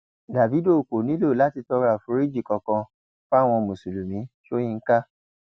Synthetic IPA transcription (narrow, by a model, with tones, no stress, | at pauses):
da˨vi˨˦do˦˨ko˨nĩ˨˦lo˦˨la˨˦ti˧tɔ˧ɾa˨fu˨˧˦ɾi˦d͡ʒi˦˨kɔ̃˧kɔ̃˧ | fw̃ɔ̃˧mũ˨su˨lu˨mĩ˨˦ʃo˦j̃ĩ˧ŋ̩˦ka˦